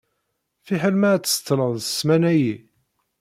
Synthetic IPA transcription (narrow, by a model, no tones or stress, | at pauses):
fiħəlmæt͡sːst̪ːɾˤənə̥smænæji